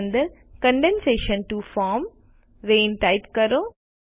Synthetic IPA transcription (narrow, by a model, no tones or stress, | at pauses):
nd̪əɾ | kɐ̃ɳɖẽnseːʃə̃nʈufɔːm | ɾẽːnʈɐɪtkɐɾoː